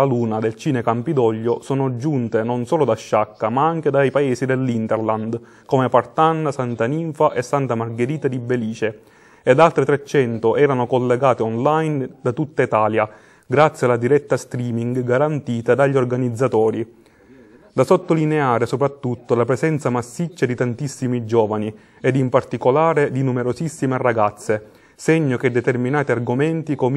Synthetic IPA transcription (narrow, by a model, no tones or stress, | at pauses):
aluːnad̪elt͡ʃiːnekampid̪ɔʎːosoːnod͡ʒunt̪enonsoːlod̪aʃːakːamaaŋked̪ajpaeːsid̪elːint̪ɛrland̪ | koːmepart̪anːasant̪aniɱfaʔesːant̪amarɡeɾiːt̪ad̪ibeliːt͡ʃe | ɛd̪alt̪ɾet̪ɾet͡ʃːɛnt̪oʔɛːɾanokolːeɡaːt̪eɔnlajnd̪at̪ut̪ːait̪aːlja | ɡɾat̪sːjalad̪iɾɛt̪ːast̪ɾiːmiŋɡɡaɾant̪iːt̪ad̪aʎːiorɡanid̪zːat̪ɔːɾi | d̪asot̪ːolineaːɾesopɾat̪ːut̪ːolapɾesɛnt̪samasːit͡ʃːad̪it̪ant̪isːimid͡ʒɔːvani | ɛd̪impart̪ikolaːɾed̪inumeɾosisːimeraɡat̪sːe | seɲːok̟ed̪ːɛt̪erminaːt̪iarɡomɛnt̪ikom